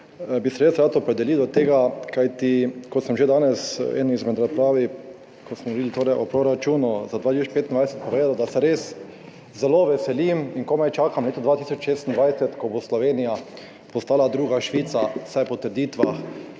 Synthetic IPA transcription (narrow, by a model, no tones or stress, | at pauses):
bisɛɾeːsɾaːt̪ɔpɾɛd̪ɛlid̪ɔt̪eːɡakajt̪ikɔt̪səmʒed̪aːnɛsɛ̰nizmɛd̪ɾaspɾaːʋi | kosmɔʋɔɾid̪lit̪oːɾɛjʔɔpɾoɾat͡ʃuːnuzad̪ʋaːt̪isoɔt͡ʃpeːt̪ind̪ʋajsɛ̥t̪̚pɔʋeːd̪ad̪asɛɾeːs | zɛloːʋɛsɛlimiŋkomajt͡ʃaːkamleːt̪ɔd̪ʋaːt̪iːsɔt͡ʃʃeːst̪ind̪ʋajsɛt̪kɔboslɔʋeːnija | pɔst̪aːlad̪ɾuːɡaʃʋiːt̪sasajpɔt̪əɾd̪iːt̪ʋax